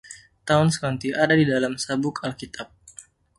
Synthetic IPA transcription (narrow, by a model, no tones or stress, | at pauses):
t̪aʊnsə̥kant̪iʔadadidalamsabʊkalkit̪ap̚